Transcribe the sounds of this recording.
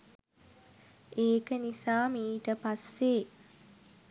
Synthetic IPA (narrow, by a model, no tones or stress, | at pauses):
ʔeːkənisaːmiːʈəpasːeː